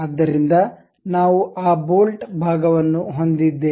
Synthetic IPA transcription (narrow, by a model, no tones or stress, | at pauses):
aːd̪ːɐɾind̪ɐ | naːʋuʔaːboːlʈbʱaːɡɐʋɐnːuɦo̞nd̪id̪ːeː